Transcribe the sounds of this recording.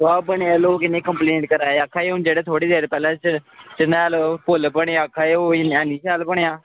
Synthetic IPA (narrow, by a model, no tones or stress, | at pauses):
aːbəɳejaːloːkɪneːkəmpleːɳʈkəɾaːeəkʰaːeʊnd͡ʒeːɽeːt̪ʰoːɽiːd̪eːɾpɛːlãːt͡ʃt͡ʃənaːlpolbəɽjãːkʰːaːeːoːnaːniːʃaːlbəɳejãː